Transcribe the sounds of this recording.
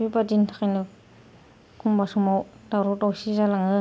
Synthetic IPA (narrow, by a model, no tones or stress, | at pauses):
ibadintʰḁkajnɯ | kʰumbasumaw | daɾɔtawsizalaŋɯ